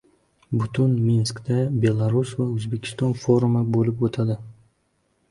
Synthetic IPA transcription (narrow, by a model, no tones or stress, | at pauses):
bʊt̪ʰʊnminskd̪abe̞lˠaɾusvaɵzbe̞kʲʰɪ̥st̪ɒnfoɾumabolɪpot̪ʰad̪ɪ